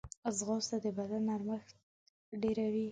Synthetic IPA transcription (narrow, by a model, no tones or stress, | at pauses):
zɣɑst̪ad̪əbad̪anaɾməxt̪ | ɖeɾawi